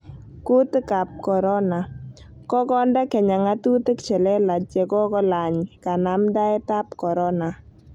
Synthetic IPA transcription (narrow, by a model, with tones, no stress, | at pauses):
ku˦t̪ka˨p̚kɔ˨ɾɔ˦na˨ | kɔ˦kɔ˦ndɛ˦kɛ˨ɲa˨ŋa˦tu˦t̪i˦kt͡ʃɛ˨lɛ˦la˨t͡ʃɛ˨kɔ˦kɔ˦la˨ɲka˨na˨mda˦ɛ˦ta˦pkɔ˨ɾɔ˦na˨